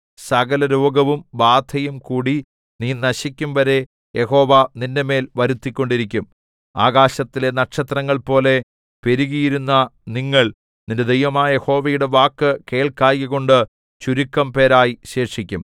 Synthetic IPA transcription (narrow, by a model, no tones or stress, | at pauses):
sɐɣɐlɐɾoːɡɐʋumbaːt̪ʰɐjumkuːɽi | niːnɐɕikʲːumʋɐɾe̞ | je̞ho̞ːʋɐninde̞me̞ːlʋɐɾut̪ːikʲːo̞ɳɖiɾikʲːum | a̰ːɡaːɕɐt̪ːile̞nɐʈʂɐt̪rɐŋːɐɭpo̞ːle̞ | pe̞ɾuɣijiɾunːɐniŋːɐɭ | ninded̪ejʋɐmaːɐje̞ho̞ːʋɐjuɽe̞ʋaːkːɨke̞ːɭkaːjɣiɣoɳɖɨ | t͡ɕuɾukːɐmpe̞ːɾaːjiɕe̞ːrʂikʲːum